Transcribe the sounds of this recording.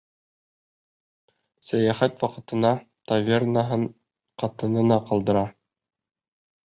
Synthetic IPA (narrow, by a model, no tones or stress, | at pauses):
sæjæχæt̪wɑqɤ̆t̪ɤ̆nɑ | t̪avʲernaɦɤɴ | qɑt̪ɤ̆nɤ̆nɑqɑlˠd̪ɤ̆ɾɑ